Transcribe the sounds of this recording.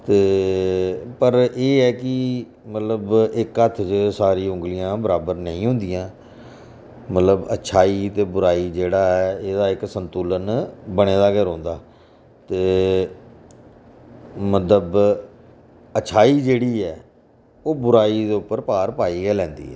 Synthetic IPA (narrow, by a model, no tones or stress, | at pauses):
t̪eː | pəɾeːɛːkɪ | mət̪ləbɪkət̪ʰːt͡ʃəsaːɾiːʊ̃ŋɡlɪjãːbəɾaːbəɾnəĩːɦʊ̃nd̪ɪjãː | mət̪ləbə̰tːʃʰaːiːt̪eːbʊɾaːiːd͡ʒeːɽaːɦɛːeːd̪aːɪksənt̪uːlənbəɽ̃eːd̪aːɡeːɾõːnd̪aː | t̪eː | mət̪ləb | əːt͡ʃʰaːiːd͡ʒeːɽiːɛː | oːbʊɾaːiːd̪eːʊpːəɾpaːɾpaːiːɡɛːlɛ̃ːnd̪ḭːɦɛ̰ː